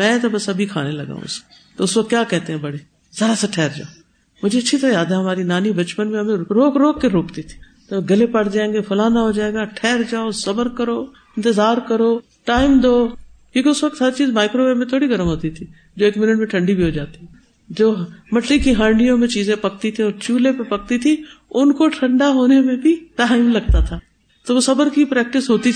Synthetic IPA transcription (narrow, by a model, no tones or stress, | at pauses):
mɛ̃ːt̪ɐbɐsɐbʱikʰa̰ːnelɐ̰ɡa̰ːɦṵ̃s | t̪ɐʊsʋɐk̚t̪ːkjaːkɛɦt̪eɦɛ̃ːbɐɽeː | zɐɾasaʈʰɛːɾd͡ʒa̰ːo | mʊ̃d͡ʒʱeɐʃʰit̪ɐɾajaːd̪aɦɐmaːɾinaːnibɐt͡ʃpənmẽɐmẽɾoːkɾoːkːeɾoːkt̪it̪ʰi̥ | t̪ɐ̃ɡɐlepɐɽd͡ʒaːẽŋɡefʰʊlaːnaɦod͡ʒaːeːɡaʈʰɛːɾd͡ʒaːosɐbəɾkɐɾoː | ɪ̃nt̪ɪzaːɾkɐɾoː | ʈaːɪmd̪oːkʲjõːkiʊsʋɐk̚t̪saːɾit͡ʃiːzmaːɪkɾobemẽt̪ʰoːɽiɡɐɾəmɦoːt̪it̪ʰi | d͡ʒoːeːkmɪnɪʈmẽʈʰɐ̃ɳɖibʱiɦod͡ʒaːt̪iɛ | d͡ʒoːɦmɐʈlikiɦãːɳɖijõmẽt͡ʃiːzẽpɐk̚t̪it̪ʰĩɔːɾt͡ʃuːlẽpepɐk̚t̪it̪ʰĩʊnkoʈʰɐ̃ɳɖaɦoːnemẽbʱiʈaːɪmlɐɡt̪at̪ʰaː | t̪oʋosɐbəɾkipɾɛːk̚ʈɪsɦoːt̪i